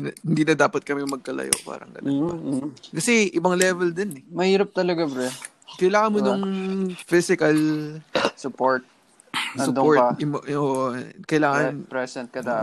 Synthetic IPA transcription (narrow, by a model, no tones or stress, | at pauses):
nhɪnd̪iːnɐd̪aːpɐt̪̚kɐmɛmɐɡ̚kɐlɐ̰jo̰pa̰ːɾɐ̰ŋɡɐ̰lo | kɐsɛʔɪbɐŋlɛːvɛld̪ɛnɛmɐhiːɾɐp̚t̪ɐlɐɡabɾɛ | kɐjlaːŋɐnmonoŋfɪsɪkɐl | sʊpoɹt̪̚ | ɐsʊd̪ooɹɐɪmʔoʔokɐjlaːŋɐnpɾɛsɛnt̪̚kɐd̪a